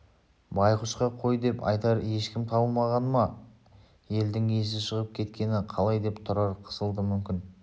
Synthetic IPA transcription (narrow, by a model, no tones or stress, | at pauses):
bɑjqəʃqɑqʰo̞jd̪e̞pɑ̰jt̪ɑɾje̞ʃkʲɪmt̪ʰɑbəlˠmɑʁɑnmɑ | je̞ld̪ɪŋe̞s̬ɪʃəʁəp̚kʲʰe̞t̪kʲe̞nɪqʰɑlˠɑjd̪e̞pt̪ʰʊɾɑɾqʰə̥səlˠd̪əmʏmkʲɪn